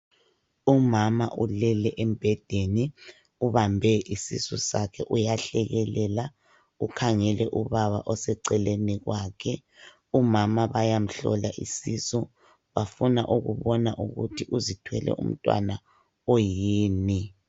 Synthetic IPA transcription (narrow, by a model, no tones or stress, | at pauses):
umama̰ʔulɛlɛʔem̩b̥ʱɛd̥ʱeni | uβambʱɛʔisḭsɔsakʰɛʔujaɬɛɣɛlɛla | ukʰaŋɛlʔɛʔuβaβaʔɔsɛǀɛleniɣwaːkʰɛ | umamaβajam̩ɬɔ̰laʔḭsisɔ | βafuna̰ʔuɣuβɔnaʔuɣṵtʰiʔuzitʰwɛlɛ̰ʔṵm̩tʼwa̰na | ojiːni